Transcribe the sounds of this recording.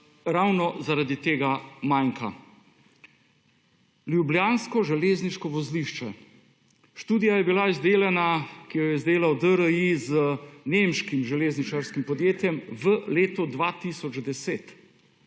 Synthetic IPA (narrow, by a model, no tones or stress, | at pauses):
ɾawnɔzaɾad̪it̪eːɡamajŋka | ljublʲjaːnskɔʒɛleːzniʃkɔʋɔzliʃt͡ʃɛ | ʃt̪uːd̪ijajɛbilaizd̪eːlɛnakijɔjɛzd̪eːlawd̪əɾəizənemʃkimʒɛleːznit͡ʃaɾskimpɔd̪jeːt̪jɛmʋəleːt̪ɔd̪ʋat̪isɔd͡ʒd̪ɛseːt̪